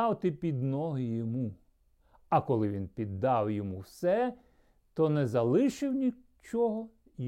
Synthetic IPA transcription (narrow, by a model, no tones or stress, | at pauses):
ɑwt̪ɪpʲid̪nɔɦɪjɔmu | ɐkɔlˠɪʋʲinpʲid̪ːɑwjɔmuwsɛ | t̪ɔnɛzɐlˠɪʃɪwnʲi | t͡ʃɔɦɔ | j